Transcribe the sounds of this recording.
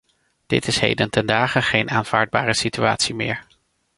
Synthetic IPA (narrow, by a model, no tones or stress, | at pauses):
d̥ɪ̰tɪsɦḛjdəntɛndaːχəχejnaːnv̥aːɹd̚baːrəsitya̰ːtsimɪːɹ